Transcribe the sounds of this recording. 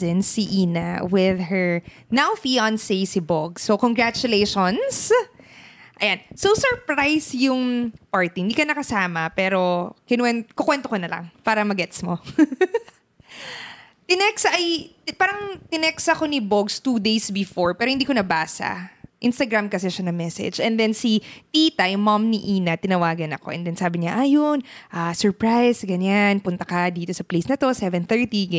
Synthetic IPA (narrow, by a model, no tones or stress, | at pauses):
ɛnsiʔiːnɐ̰wɪðhɛɹ | nawfiansejsɪboɡ̚sːokoŋɡɹat͡ʃʊleʃons | ʔɐjansowsɔɹpɹajsjʊŋpaɹt̪iɪhɪnd̪iːkɐnɐkɐsaːmɐpɛːɾo̞kɪnwɛnkokwɛnt̪okonɐlɐ̰ŋpaːɾɐmɐɡɛt̪smo | t̪ɪnɛksʔɐj | paːɾɐŋt̪ɪnɛksɐko̞nɪboɡst̪ud̪ejsbɪfoɹpɛːɾohɪnd̪iːkonɐbaːsɐ̰ʔɪnst̪ɐɡɾamkɐsɛʃanɐmɛsɛ̰d͡ʒɛnd̪ɛnsit̪iːt̪ɐjʊmɐmniʔiːnɐt̪ɪnɐwaːɡɐnɐko̞̰ʔɛ̰nd̪ɛnsaːbɪɲaʔajonʔasɔɹpɹajsɡɐɲanpʊnt̪ɐkɐd̪iːt̪osɐplejsnɐt̪o̞sɛvɛnθɛɹt̪iɡ